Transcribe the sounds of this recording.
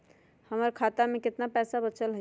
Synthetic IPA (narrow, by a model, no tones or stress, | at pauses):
həməɾkʰat̪amẽkɪt̪napɛːsabət͡ʃəlɦə